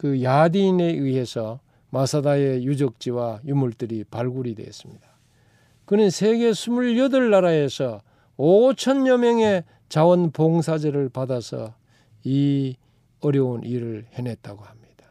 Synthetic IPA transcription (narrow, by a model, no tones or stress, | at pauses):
kɯjadiːne̞iɦe̞sʰʌ | masʰadaejud͡ʑʌk̚t͡ɕ͈iwajumuɭt͈ɯɾipaɭɡuɾidwe̞̰s͈ɯmɲid̥a | kɯnɯnsʰe̞ɡe̞sʰumuʎːʌdɯɭːaɾae̞sʰʌ | ot͡ɕʰʌnɲʌmjʌŋe | t͡ɕawʌnpoŋs̬ʰad͡ʑeɾɯɭpadasʰʌ̰ | i | ʌɾjʌunʔiɾɯɭhe̞nɦe̞t̚t͈aɡohamɲid̥ḁ